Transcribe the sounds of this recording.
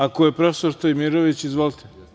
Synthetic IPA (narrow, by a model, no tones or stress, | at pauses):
akojepɾofesoɾt̪omiɾoʋit͡ɕizʋolˠt̪ʰe̥